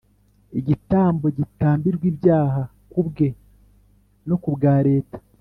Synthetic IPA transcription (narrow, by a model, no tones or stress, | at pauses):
iɟitaːmbo̞ɟitaːmbiɾɡwiːbjaːɦa | kubɡe̞ | no̞kubɡaːɾe̞ːtḁ